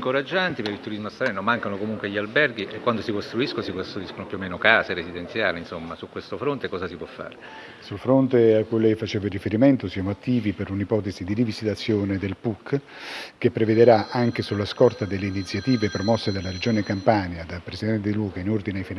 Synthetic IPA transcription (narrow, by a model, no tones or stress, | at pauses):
iŋkoɾad͡ʒːant̪ipeilt̪uɾizmasɾɛːnomaŋkanokomuŋkweʎːialbɛrɡ̟iʔekwand̪osikost̪ɾuiskonosikost̪ɾuiskonopjuomeːnokaːseɾesid̪ent̪sja̰ːlinsomːasukːwest̪ofɾont̪ekɔːzasipwɔfːa̰ːɾe | sulfɾont̪eakːujlɛjfat͡ʃeːvarifeɾiment̪osijaːmoat̪ːiːvipeɾunipɔːt̪ezid̪iɾivizit̪at̪sːjoːned̪elpukː | kepːɾeved̪eɾaʔaŋkesulːaskɔrt̪ad̪elːeinit̪sːjat̪iːvepɾɔmɔsːed̪alaɾed͡ʒoːnekampanjad̪apɾesid̪ɛnt̪ed̪iluːkainord̪ineajfin